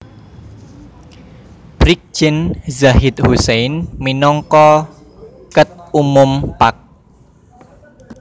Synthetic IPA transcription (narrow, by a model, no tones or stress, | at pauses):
b̥ɾik̚d͡ʒ̥ɪnzaɦɪt̪̚husejnminɔŋkɔ | kət̪̚umʊmpak̚